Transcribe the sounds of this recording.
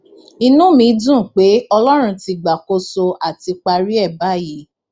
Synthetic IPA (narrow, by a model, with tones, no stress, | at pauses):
i˧nũ˦mĩ˧˦dũ˦˨k͡pe˨˦ɔ˧lɔ˦ɾ̃ũ˧ti˧ɡ͡ba˨ko˧so˧ʔa˨ti˧k͡pa˧ɾi˦ɛ˦˨ba˨˦ji˨˦